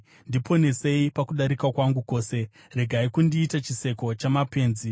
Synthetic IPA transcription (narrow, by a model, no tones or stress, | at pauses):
ndipʰo̞ne̞se̞ipakuɗaɾikakwaŋɡuko̞ːse̞ | re̞ɡʱaikundiːtat͡ʃise̞ko̞t͡ʃamape̞ːnzi